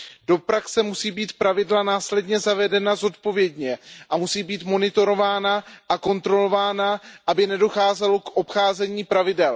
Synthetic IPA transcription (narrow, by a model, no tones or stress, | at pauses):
d̥o̞pɾaksɛmusiːbiːt̪pɾavɪdlanaːslɛdɲɛzavɛdɛnazo̞t̪po̞vjɛdɲɛʔamusiːbiːt̪mo̞nɪt̪o̞ɾo̞vaːnaʔako̞nt̪ɾo̞lo̞vaːnaʔabɪnɛdo̞xaːzɛlokʔo̞pxaːzɛɲiːpɾavɪdɛl